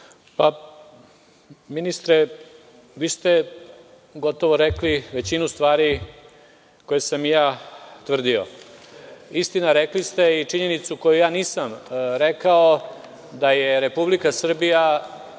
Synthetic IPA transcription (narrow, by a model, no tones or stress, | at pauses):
pa | minist̪ɾe | ʋiːst̪e | ɡo̞t̪o̞ʋo̞ɾekliʋe̞t͡ɕinust̪ʋaːɾi | ko̞jesamjaːt̪ʋr̩d̪io̞̰ | ist̪inaɾeklist̪e̞it͡ʂiɲe̞nit̪suko̞jujaːniːsamɾekao | d̪ajeɾe̞publikasr̩bija